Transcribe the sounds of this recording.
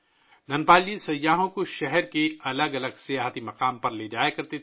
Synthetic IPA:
nɐnpaːlisɐjːaːɦõkoʃɛɦɛɾkeɐləɡɐləɡsijaːɦt̪imɐqaːmpɐɾleːd͡ʒaːekɐɾt̪et̪

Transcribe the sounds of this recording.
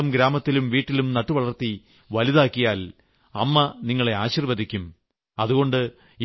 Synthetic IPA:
ɐmɡɾaːmɐt̪ːilumʋiːʈːilumnɐʈːuʋɐɭɐrt̪i | ʋɐliðaːkːijaːl | ɐ̰mːɐniŋːɐɭe̞aːɕiːrʋɐðikʲːum | ɐðuɣo̞ɳɖɨ | i

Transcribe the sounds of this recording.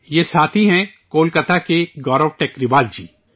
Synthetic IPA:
jesaːt̪ʰiɦɛ̃ | koːlkət̪ʰakeɡɔːɾɔʋʈeːkɾɪʋaːld͡ʒḭː

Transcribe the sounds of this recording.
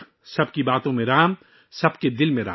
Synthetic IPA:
sɐbkibaːt̪õmẽɾaːm | sɐbked̪ɪlmẽɾa̰

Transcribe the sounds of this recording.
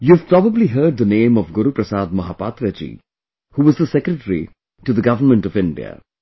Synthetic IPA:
juv̥pɾɔbəbliɦɜːɖ̚ðənẽːmɔvɡʊɾupɾəsaːd̪̚mɐɦaːpaːt̪ɾət͡ʃḭ | huːʋʌzðəsɛkɾəʈəɾḭ | ʈuðəɡʌvənmə̃ɳʈɔvɪ̃ɳɖḭə̰

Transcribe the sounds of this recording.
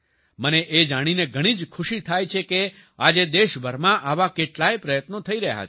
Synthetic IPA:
məneʔed͡ʒaɽ̃ineɡʱəɽ̃id͡ʒkʰuʃit̪ʰajt͡ʃʰeke | ad͡ʒed̪eʃbʱəɾmãʔaʋakeʈlajpɾəjət̪not̪ʰəiɾəɦja̰t͡ʃʰ

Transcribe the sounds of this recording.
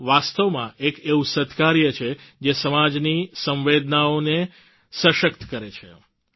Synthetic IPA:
ʋast̪əʋmãekeʋusət̪kaɾjət͡ʃʰed͡ʒesəmad͡ʒnisə̃mʋed̪naone | səʃək̚t̪kəɾet͡ʃʰḛ

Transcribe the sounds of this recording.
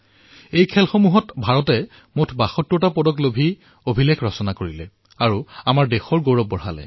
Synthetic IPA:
ejkʰɛlxomuɦɔtbʱaɹɔtɛ | motʰbaxɔtːɔtapɔdɔklobʱi | obʱilekʰɹɔsɔnakoɹilɛ | aɹuamaɹdexɔɹɡowɹɔp̚ːɔɹa̰lɛ̰

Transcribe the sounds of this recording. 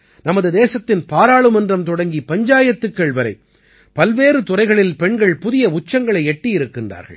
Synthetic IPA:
nɐmɐðɯd̪eːsɐt̪ːɪnpaːɾaːɭɯmɐndrɐmt̪ɔɽɐŋɡipɐɲd͡ʒaːjɐt̪ːɯkːɐɭʋɐɾɐɪ | pɐlʋeːɾɯt̪ʊrɐɪɣɐɭɪlpɛɳɡɐɭpʊðɪjɐʊt͡ʃːɐŋɡɐɭɐɪɛʈːijɪɾɯkːɪndra̰ːɾɣɐ̰ɭ

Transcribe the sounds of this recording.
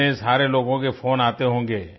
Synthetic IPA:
ẽsaːɾeloːɡõkepʰoːnaːt̪eɦõːŋɡeː

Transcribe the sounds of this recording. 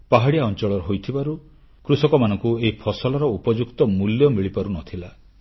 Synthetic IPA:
paɦaɽijaɔnt͡ʃɔɭɔɾɔɦojt̪ʰibaɾu | kɾusɔkɔmanɔŋkueɦipʰɔsɔlɔɾɔupɔd͡ʒukt̪ɔmuljɔmiɭipaɾunɔt̪ʰila

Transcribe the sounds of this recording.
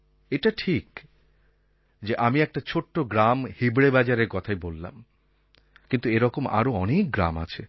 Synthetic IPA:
eʈaʈʰik | d͡ʑeʔamiɛk̚ʈat͡ɕʰoʈːoɡɾamhibɾebad͡ʑaɾeɾkɔt̪ʰajbolːa̰m | kint̪ueɾɔkoma̰ɾoɔnek̚ɡɾa̰ma̰t͡ɕʰe

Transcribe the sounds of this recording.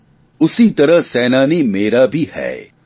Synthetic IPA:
ʊsit̪ɐɾəɦsɛːnaːnimeːɾabʱihɛ̰ː

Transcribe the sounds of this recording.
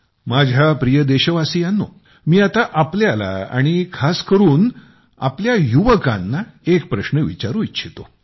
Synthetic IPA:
mad͡ʑʱapɾijəd̪eɕəʋasijanːo̰ | miːat̪aʔapljala̰a̰ɽ̃ikʰaskəɾuːn | a̰pljajuʋəka̰nːaek̚pɾəɕnəʋḭt͡ɕaɾuːitːɕʰit̪o

